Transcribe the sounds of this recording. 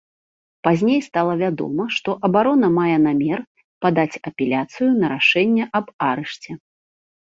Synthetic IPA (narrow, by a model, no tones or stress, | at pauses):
pazʲnʲejst̪alˠɐvʲad̪ɔ̰mɐʂt̪ɔʔɐbaɾɔnɐmajɛnamʲɛr | pad̪at͡sʲɐpʲɛlʲat̪sɨjunɐɾaʂɛnʲːɛʔɐbaɾɛʂt͡sʲɛ